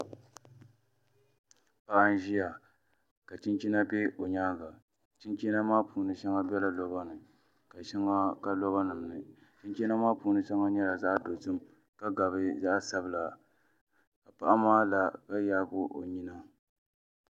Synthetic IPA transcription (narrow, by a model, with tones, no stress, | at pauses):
pa˦ʔa˦n˦ʒi˦ja˨ | ka˨t͡ʃi˦nt͡ʃi˦na˦be˦ʔo˨ɲaː˦ɡa˨ | t͡ʃi˦nt͡ʃi˦na˦maː˦pʰuː˨nɨ˦ʃa˦ŋa˦bʲɛ˦la˨lo˨ba˦nɨ˨ | ka˨ʃi˦ŋa˦ka˦lo˦ba˦nɨ˨mnɨ˨ | t͡ʃi˦nt͡ʃɛ˦na˦maː˦puː˨nɨ˦ʃa˦ŋa˦ɲɛ˦la˨za˦ʔdo˨tɨ˦m | ka˦ɡa˨bɨ˦za˦ʔsa˦bɨ˦˨la˨ | ka˨pa˦ʔa˦maː˦la˨ka˦jaː˦ɡʊ˦ʔo̰˨ɲi˦na˦